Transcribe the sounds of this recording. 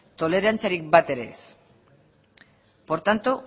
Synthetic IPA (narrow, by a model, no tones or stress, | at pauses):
t̪o̞le̞ɾant͡siaɾik̚bat̪e̞ɾe̞̰s | po̞ɾt̪ant̪u